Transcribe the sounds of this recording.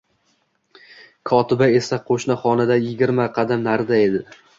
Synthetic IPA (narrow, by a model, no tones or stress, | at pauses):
kʰɒt̪ʰɪbae̞saqʰoʃnaχɒnɪd̪ajɪɡʲɪɾmaqʰɑd̪amnaɾd̪ae̞d̪ɪ